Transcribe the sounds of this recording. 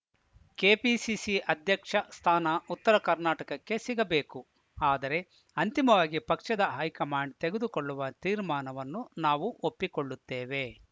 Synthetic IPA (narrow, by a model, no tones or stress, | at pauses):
keːpiːsisiʔɐd̪ʱjɐkʂɐst̪ʰaːnɐut̪ːɐɾɐkɐɾnaːʈɐkɐkːe̞siɡɐbeːku | aːd̪ɐɾe̞ | ɐnt̪imɐʋaːɡipɐkʂɐd̪ɐɦɐjkɐmaːɳɖ̚t̪eɡed̪ukoɭːuʋɐt̪iːɾmaːnɐʋɐnːunaːʋuʔopːikoɭːut̪ːeːʋe̞